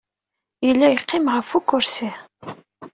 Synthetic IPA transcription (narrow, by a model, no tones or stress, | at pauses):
jəlːæjqːɪmʁəfukːʊɾsi